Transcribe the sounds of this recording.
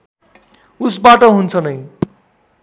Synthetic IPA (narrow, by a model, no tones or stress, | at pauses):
usbaʈʌɦunt͡sʰʌnʌj